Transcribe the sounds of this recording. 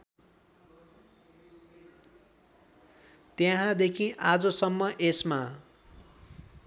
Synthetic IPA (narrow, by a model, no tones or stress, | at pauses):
t̪jeɦãd̪ekʰĩʔad͡zʌsʌmːʌʔesma